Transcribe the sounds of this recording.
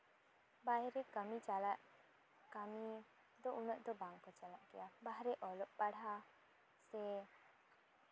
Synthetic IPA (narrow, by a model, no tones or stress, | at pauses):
bajɾɛkəmit͡ʃalaʔ | kami | d̪ɔʔunɔʔ̚ˀd̪ɔbaŋkɔt͡ʃalaʔkɛjabaɦɾɛʔɔlɔʔpaɽa | sɛ